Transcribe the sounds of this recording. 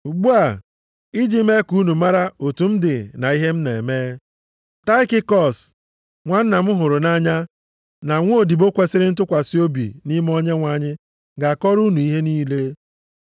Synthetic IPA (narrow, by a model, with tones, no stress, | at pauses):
u˨ɡ͡bu˦a˨ | i˦d͡ʒi˦me˦ku˦nu˨ma˦ɾa˦o˨tu˨m̩˦dɪ˨na˨i˦ɦe˦m̩˦ne˨e˨meː˦ | ta˦ɪ˦kɪ˦kɔ˨s | ŋʷa˨n̩˦na˨m̩˦ɦʊ˨ɾʊ˨na˦ɲa˦ | na˨ŋʷ˦o˦o˦˨di˨bo˦kʷe˦sɪ˦ɾɪ˦n̩˦tʊ˦kʷa˨sɪ˦o˦bḭ˨ni˦m˦ɔ˦ɲe˦ŋʷa˦ɲɪ˦ | ɡa˨kɔ˦ɾu˦nu˨i˦ɦe˦niː˦le˦